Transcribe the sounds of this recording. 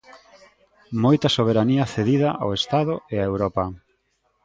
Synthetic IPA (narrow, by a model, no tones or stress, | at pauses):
mojt̪ɐsoβ̞eɾaniɐθeðiðɐʔa̰west̪aðʊeaewɾɔpɐ